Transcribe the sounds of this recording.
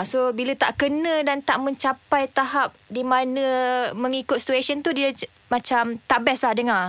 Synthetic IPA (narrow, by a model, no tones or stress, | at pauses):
sobilət̪aʔkənə̃dant̪aʔmə̃ɲt͡ʃapajt̪aɦap̚dimãnə̃mə̃ŋikʊt̪̚si̥t̪uesənt̪udiə | mãt͡ʃamt̪aʔbɛslahdəŋa